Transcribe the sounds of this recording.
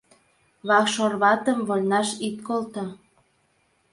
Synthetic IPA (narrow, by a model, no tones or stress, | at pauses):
βɑkʃorβɑt̪əmβolʲnɑʃit̪̚kolt̪o